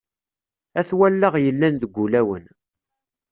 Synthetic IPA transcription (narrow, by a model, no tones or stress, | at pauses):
æθwælːəʁjəlːænðəɡʷːulæwə̰n